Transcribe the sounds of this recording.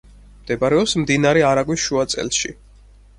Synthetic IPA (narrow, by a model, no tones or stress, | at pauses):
md̪̥ɛbaɾɛɔpsmd̪inaɾɛaɾaɡwisʃuat̪sʼɛ̰lˠʃḭ